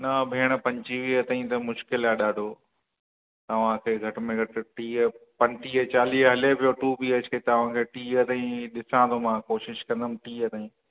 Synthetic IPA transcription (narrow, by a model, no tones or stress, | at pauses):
nɐbʱeːɽ̃pɐ̃ɲt͡ɕiʋiɐt̪aːĩt̪ɐmʊʃkɪlaːɗaːɖʱoː | t̪ɐʋ̤ãkʰeːɡʱɐʈɪ̆mẽɡʱɐʈ̆ʈiːpɐ̃ɲʈiːt͡ɕaːliːɦɐlepijoʈuːbiːəd͡ʑkʰet̪ɐʋ̤ãkʰeːʈiːət̪ãĩɗɪsãːt̪ʰomãːkoːʃɪʃkɐ̃nd̪əmʈiːət̪aːĩː